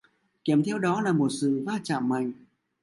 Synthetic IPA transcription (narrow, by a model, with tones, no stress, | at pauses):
ki˧˩əmt̪ʰɛ˧wɗɔ˨˦laː˨˩mo˨˩t̚sɨ̰˧˨vaː˧t͡ɕa̰ː˧˨mːa˨˩jŋ̟